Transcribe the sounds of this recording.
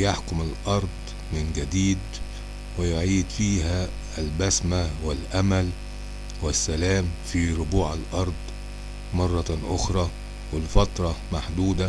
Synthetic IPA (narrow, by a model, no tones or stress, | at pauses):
jaħkʊmɪlʔɑɾˤd̪ˤ | mɪnɡæd̪iːd̪ | wɪjʊʕiːd̪fiːɦæː | lbæsmawɪlʔæmæl | wɪsːælæːmfiɾʊbuːʕalʔɑɾˤd̪ˤ | mɑrˤːɑʔʊxɾˤɑː | wɪlfɑt̪ɾˤɑmaħd̪uːd̪æ